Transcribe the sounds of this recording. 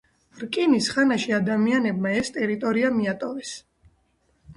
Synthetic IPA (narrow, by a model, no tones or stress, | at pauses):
ɾkʼinisχanaʃiad̪amianɛb̚maɛst̪ʼɛɾit̪ʼɔɾiamiat̪ʼɔvɛs